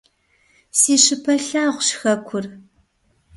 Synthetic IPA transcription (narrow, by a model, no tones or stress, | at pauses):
siːɕɪpʰɐɬaːʁʷʊɕxɐkʷʰʊr